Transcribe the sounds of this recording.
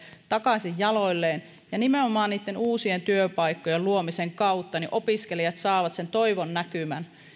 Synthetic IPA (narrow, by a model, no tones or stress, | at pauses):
t̪ɑkɑsijjɑloilːeːn | jɑnimeomɑːnniːt̪ːenuːsient̪yøpɑijkːojelluomiseŋkɑut̪ːɑniʔo̞piskelijɑt̪sɑːʋɑt̪se̞nt̪o̞iʋonːækymæ̰n